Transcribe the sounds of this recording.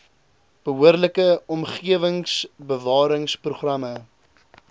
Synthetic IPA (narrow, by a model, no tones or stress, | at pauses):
b̥əɦuərləkəɔmχiəvəŋsbəvɑːɾəŋspruχrɐmə